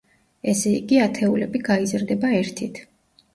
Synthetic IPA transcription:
ɛsɛḭɡiat̪ʰɛulɛbiɡaizɾd̪ɛbaɛɾt̪ʰit̪ʰ

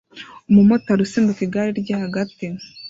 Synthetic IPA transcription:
umumotaɾusembukiɡaɾiɾɟahaɡati

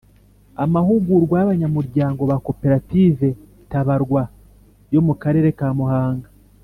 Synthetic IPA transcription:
amahuɡuɾɡwajaβaɲamuɾɟaːŋɡo̞βako̞pe̞ɾatiːve̞ | taβaɾɡwa | jo̞mukaɾe̞ɾe̞kaːmuhaːŋɡa

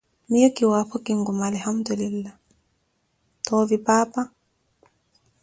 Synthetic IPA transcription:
mijəkːiwaːpokiŋɡumalhamd̪ulilːa | tɔːvipaːpa

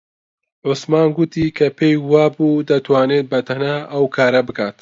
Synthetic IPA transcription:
ʕʊsmaːnɡʊt̪iːkʰɐpʰeːjwaːbuːd̪ɐt̪ʰwaːneːt̪̚bɐt̪ʰɐnaʔɐwkʰaːɾɐbɨkʰaːt̪

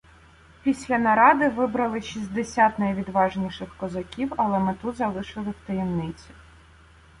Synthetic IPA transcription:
pʲisʲlʲɐnɐɾɑd̪ɪʋɪbɾɐlˠɪʃizʲd̪esʲat̪nɐjʋʲid̪ʋɑʒnʲiʃɪxkɔzɐkʲiwɐlˠɛmɪt̪uzɐlˠɪʃɪlˠɪwt̪ɐjɛmnɪt͡sʲi̥

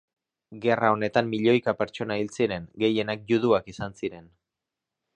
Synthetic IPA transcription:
ɡe̞rao̞ne̞t̪amːiʎo̞jkape̞ɾt͡so̞nailt͡siɾe̞ŋɡe̞je̞nak̚juðuakisansiɾe̞n

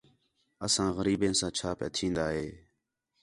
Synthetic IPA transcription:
əsãːɣəɾiːbẽːsãːt͡ʃʰaːpḛt̪ʰĩːnd̪aːɦeː

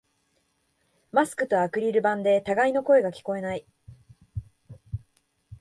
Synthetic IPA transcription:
masɨ̥kɯ̟t̪o̞akɯ̟ɾʲiɾɯ̟bãnd̪e̞t̪aɡaino̞ko̞e̞ɡakʲi̥ko̞e̞nai

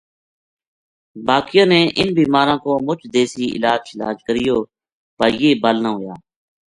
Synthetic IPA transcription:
baːkɪjõːneːʔɪ̰nbiːmaːɾãːkoːmʊt͡ʃʰd̪eːsiːʔɪ̰laːd͡ʒɪla̰ːd͡ʒkəɾɪjoː | pəɾjeːbəlnaːɦʊjaː

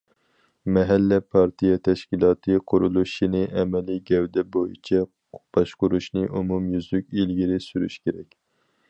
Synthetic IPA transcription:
mɛɦɛlːɛpʰɑɾt̪ʰijɛt̪ʰɛʃkʲilˠɑːt̪ʰɨqʰʊɾulˠuʃinɨʔɛmɛliɡʲɛwd̪ɛbojḭt͡ʃʰɛ | b̥ɑʃqʊɾuʃnɨʔumumjyzlykʲilɡʲiɾɪsyɾy̰ʃkʲeɾɛkʲ

